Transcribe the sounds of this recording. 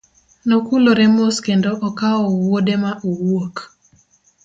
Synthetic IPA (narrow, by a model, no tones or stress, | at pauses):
nokuloɾɛmoskendoʔɔkaɔwodemaʔowok